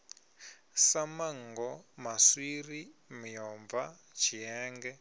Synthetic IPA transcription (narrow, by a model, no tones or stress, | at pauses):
samaŋɡɔmaswirimijɔmva | t͡ʃʰiɛːŋɡɛ